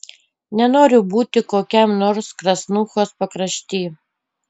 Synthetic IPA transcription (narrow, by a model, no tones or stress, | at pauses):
nʲɛnoːɾʲʊbuːt̪ʲɪkoːkʲɛmnoːɾskɾɐsnuːxoːspɐkɾɐʃʲt̪ʲiː